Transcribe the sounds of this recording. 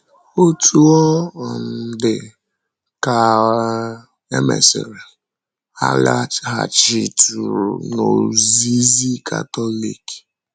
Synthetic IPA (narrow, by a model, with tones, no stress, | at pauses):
o˦tʰu˦ɔ˦˨n̩˨dɪ˨ | ka˨ | e˦mḛ˨sɪ̰˨ɾi˨ | ha̰˨la˦ɦa˨t͡ʃi˨tu˨ɾṵ˨no̰˨zi˦zi˦kʰa̰˨tɔ˦lḭ˦˨k